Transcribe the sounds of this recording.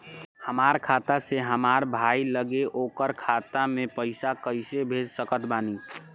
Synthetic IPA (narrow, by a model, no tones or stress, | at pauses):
həmaːɾkʰat̪aseɦəmaɾbʱailəɡeʔokəɾkʰat̪amẽpəɪsakəɪsebʱed͡ʒsəkət̪baːni